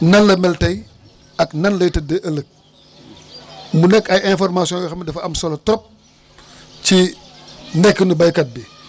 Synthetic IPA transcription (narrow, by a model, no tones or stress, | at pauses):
nɐllɐmɛltɐj | ɐknɐnlɐjtɐdɐʔɐlək̚ | munɛkːɐjɛ̃fɔɾmasijɔ̃jɔxɐmidɐfɐɐmsɐlɐtɾɔp̚ | t͡ʃi | nɛkːənubɐjkɐt̚bi